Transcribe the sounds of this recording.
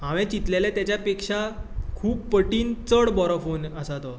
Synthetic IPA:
ɦãʋɛ̃t͡ɕit̪leljat̪jat͡ɕjapekʂakʰuːpːəʈiːnt͡səɽbɔɾɔfonəsat̪ɔ

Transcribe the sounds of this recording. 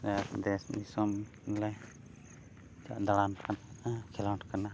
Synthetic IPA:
ad̪ɛsnisɔm | nlɛ | d͡ʒa̰ʔd̪alankankʰɛlaʈkana

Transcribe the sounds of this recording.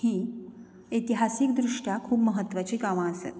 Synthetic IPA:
hiː | et̪iɦasiːkd̪ɾuʂʈjakʰuːbməɦət̪ːʋat͡ɕiːɡaʋãəsḛt̪

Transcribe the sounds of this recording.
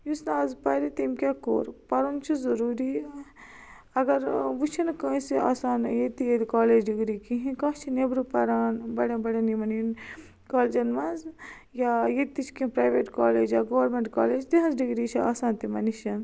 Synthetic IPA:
jusnaːzpɐɾit̪imkʲako̰ːɾpɐɾunt͡ʃʰizɐɾuːɾi | ɐɡɐɾʋut͡ʃʰinkɐ̃ːsia̰ːsaːnjet̪ijed̪kaːleːd͡ʒɖiɡɾikĩɦĩkɐ̃t͡ʃʰinebɾupɐɾaːnbɐɽɐbɐɽɐnimɐnin | kaːld͡ʒɐnmɐnz | jajet̪it͡ʃʰkĩĩpɾaːjʋeːʈkaːleːd͡ʒjaːɡoʋɐɾmeɳʈka̰ːleːd͡ʒd̪iɦɐnzɖiɡɾit͡ʃʰia̰ːsaːnt̪imɐniʃɐn

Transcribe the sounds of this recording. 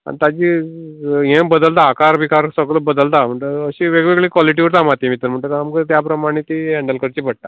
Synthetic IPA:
a̰ɳit̪ad͡ʑi | ɦẽmbəd̪əlt̪aːkaɾəbʱikaɾsəɡləbəd̪əlt̪am̤əɳʈ̪əəɕiʋeɡʋeɡɭikʋaliʈ̬iʋəɾt̪amat̪ĩmit̪əɾm̤əɳʈ̪əamkət̪japɾəmaɽ̃it̪iɦɛɳɖəlkəɾt͡ɕiːbʱəɽ̚t̪a̰

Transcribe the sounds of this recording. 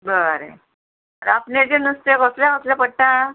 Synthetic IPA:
bəɾḛ | aɾapned͡ʑenəst̪ekəsljaəsljapəɽʈã

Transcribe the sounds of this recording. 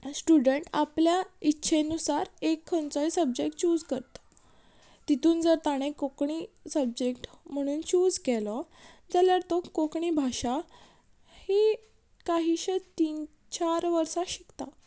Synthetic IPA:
sʈuɖəɳʈa̰pljaitːɕʰenusaɾekʰːənt͡saisəb̚d͡ʑekʈt͡ɕuːd͡zkəɾt̪ə̥ | t̪it̪uːnd͡zəɾt̪aɽ̃ekokɳisəbd͡ʑekʈm̤əɽ̃uːnt͡ɕuːd͡zkelə | d͡zaljaɽt̪okokɳibʱaɕa | hi | kaɦiːɕet̪iːn | t͡ɕaɾʋəɾsaɕikt̪a

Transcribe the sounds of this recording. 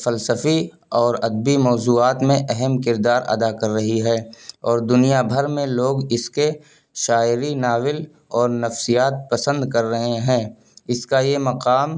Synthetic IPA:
fəlsəfi | ɔːɾɐd̪̚bimɔːzuːaːt̪mẽʔɛɦɛmkɪɾd̪aːɾɐ̰d̪akɐɾːɐɦiɦɛːɔːɾd̪ʊnijabʱəɾmẽloːɡɪske | ʃaːɪɾinaːwɪl | ɔːɾnɐfsijaːt̪̚pɐsə̃nd̪kɐɾːɐɦẽɦɛ̃ː | ɪskajemɐqaːm

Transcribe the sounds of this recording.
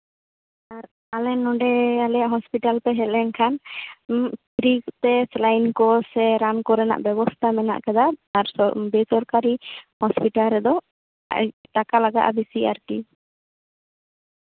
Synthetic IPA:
aɾ | alɛnːɔɖɛalɛjaʔɦɔspiʈalpɛɦɛlɛnkʰan | pɾikt̪ɛslajnkɔsɛɾankɔɾɛna̰ʔbɛbɔst̪ʰamɛna̰ʔkɛd̪aaɾbɛsɔɾkaɾihɔspiʈalɾɛd̪ɔ̰ | ʈakalaɡa̰ʔabisia̰ɾki

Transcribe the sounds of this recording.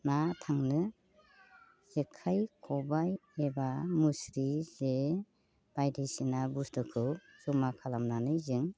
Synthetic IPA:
natʰaŋnɯ | z̥ekʰajkʰɔbajebamusɾize | b̥ajdijsinabustɯkʰɯwz̥ɔmakʰalamnanɯjzɯŋ

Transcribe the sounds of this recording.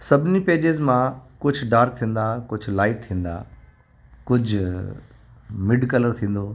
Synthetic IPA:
sɐbʱɪnipeːd͡ʑɪzmãkʊd͡ʑʱʊ̆ɖaːɾk̚t̪ʰĩːn̆d̪akʊd͡ʑʱʊ̆laːɪʈ̚t̪ʰĩːn̆d̪a̰ | kʊd͡ʑʱʊ | mɪɖkɐləɾt̪ʰĩːn̆d̪oː

